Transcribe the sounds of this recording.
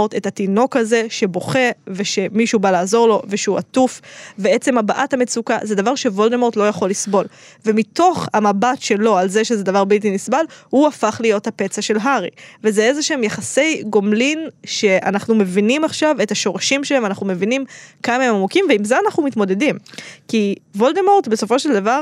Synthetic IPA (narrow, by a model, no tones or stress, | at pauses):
oʁt̪e̞tatino̞kaze̞ʃe̞bo̞χe̞veʃe̞miʃubalaːzo̞ʁlo̞ve̞ʃeuatufvee̞t͡se̞mabaʔathame̞t͡sukazed̪avaʁʃe̞vold̪emo̞ʁt̪lo̞jaχo̞lːisbo̞l | ve̞mito̞χhamabatʃe̞lo̞alzeʃezed̪avaʁbilt̪̬inisbalhuafaχlijo̞thape̞t͡saʃe̞lɦaʁḭvezeezeʃemjaχase̞jɡo̞mlinʃe̞ʔa̰naχnume̞vinimaχʃave̞taʃo̞ʁaʃimʃelevanaχnume̞vinimkamaemamukimveimzeanaχnumitmo̞de̞dimkivo̞ldemo̞ʁt̪besofo̞ʃeld̪avaʁ